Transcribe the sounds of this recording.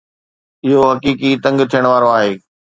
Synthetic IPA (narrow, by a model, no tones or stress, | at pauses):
ɪɦoɦɐkiːkit̪ɐ̃ŋɡt̪ʰijəɽ̃ʋaːɾoaːɦeː